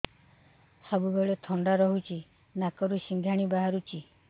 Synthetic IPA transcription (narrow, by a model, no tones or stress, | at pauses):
sɔbuɡɔɭet̪ʰɔɳɖaɾɔɦut͡ʃi | nakɔɾusiŋɡʱaɽ̃ibaɦaɾut͡ʃi